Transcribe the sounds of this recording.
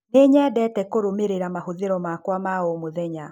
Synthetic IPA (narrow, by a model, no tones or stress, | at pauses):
neɲɛdɛːtɛkoɾomeɾeɾamahoðeɾɔmakwamaomoðɛɲa